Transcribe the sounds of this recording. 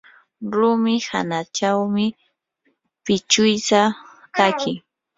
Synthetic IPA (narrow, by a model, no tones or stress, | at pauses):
ɾʊmɪha̰nat͡ʃawmɪ | pɪt͡ʃʊjsa | kakʰɪ